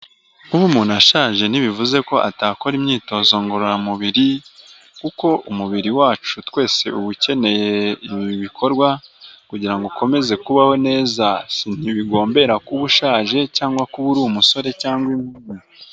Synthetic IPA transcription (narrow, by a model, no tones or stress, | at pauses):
uβumuːnaʃaːʒe̞n̥iβivuze̞ko̞ʔataːko̞ɾimɲiːto̞zo̞ːŋɡoɾoɾamuβiɾi | kuko̞ʔumuβiɾiwaːt͡ʃutwe̞ːse̞uβuce̞ne̞je̞iβiiβikʰo̞ɾɡwakuɟiɾaŋɡokʰo̞me̞ze̞kuβaho̞ne̞ːzasin̥iβiɡo̞ːmbe̞ɾakuβuʃaːʒe̞caːŋɡwakuβuɾumuso̞ɾe̞caːŋɡwimuːnu